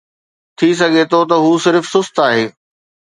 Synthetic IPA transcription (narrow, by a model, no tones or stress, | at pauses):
t̪ʰis̬ɐɡʱet̪ʰot̪ɐɦuːsɪɾfsʊst̪aːɦeː